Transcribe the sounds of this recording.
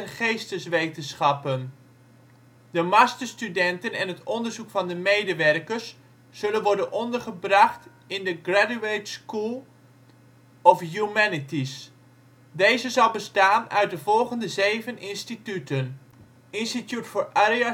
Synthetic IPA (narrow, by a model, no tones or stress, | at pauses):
ɛnχejstəsʋejtənsχɑpən | dəmɑstəstydɛntənɛnɦətɔndəɹzukfɑndəmejdəʋɛrkəɹsː | ɵlənʋɔɹdənɔndəɹχəbrɑχt | ɪndəɡradyejtskulˠ | ɔfjumɛnitis | dejzəzɑlˠbəstaːnœɥt̚dəvɔlˠχəndəzejvənɪnstitytən | ɪnstitjutfoːɹaɾia